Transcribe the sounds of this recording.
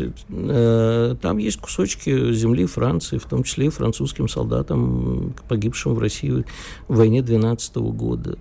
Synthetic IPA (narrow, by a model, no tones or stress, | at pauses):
ɪ̰t̪ | t̪amjesʲt̚ʲkʊ̥so̞t͡ɕkʲɪzʲɪmlʲifɾʔant̪sɨɪft̪o̞mt͡ɕɪ̥sʲlʲefɾɐ̰nt̪suskʲɪmsɐ̰lˠd̪a̰t̪əmpɐɡʲipʂɨmvrɐsʲijʊ | vɐjnʲed̪vʲɪnat̪səɨ̥t̪əvə̰ɡo̞̰d̪ə̰